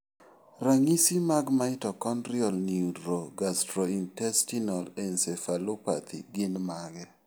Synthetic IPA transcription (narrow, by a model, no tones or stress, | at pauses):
raŋisimaɡmaɪtɔkɔnɾjɔlniudɾoɡastɾointɛstinɔlɛnsefalopa̰t̪ʰḭɡɪnmaɡɛ